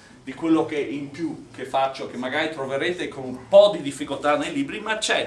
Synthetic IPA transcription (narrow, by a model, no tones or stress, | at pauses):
d̪ikwelːokeʔimpjukefːat͡ʃːoekemːaɡaːɾit̪ɾoveɾeːt̪ekonumpɔd̪id̪ifːikolt̪anːejliːbɾimat͡ʃːɛ